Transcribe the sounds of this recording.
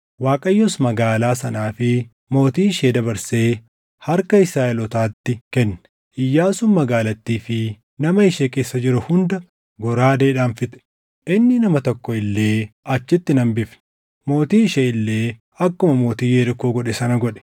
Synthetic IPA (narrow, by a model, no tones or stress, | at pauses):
waːkʼɐjːɔsmɐɡaːlaːsɐnaːfɪ | mo̞ːt̪iːɪʃeːd̪ɐbɐɾseː | hɐɾkɐɪsɾaːɛlɔt̪aːt̪ːɪkɛnːɛ̥ | ʔɪjːaːsʊmmɐɡaːlɐt̪ːiːfɪ | nɐmɐɪʃeːke̞ːsːɐd͡ʒɪɾʊhʊnd̪ɐ | ɡɔɾaːd̪eːᶑaːnfɪt̪ɛ̥ | ʔɪnːɪnɐmɐt̪ɔkːɔɪlːe̞ːɐt͡ʃːɪt̪ːɪnɐmbɪfn | mo̞ːt̪iːɪʃeːɪlːeː | ɐkːʊmɐmo̞ːt̪iːjeːɾɪkoːɡɔᶑɛsɐnɐɡɔᶑɛ̥